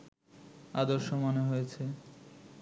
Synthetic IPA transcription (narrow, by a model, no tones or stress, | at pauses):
ad̪oɾʃomoneɦojet͡ɕʰe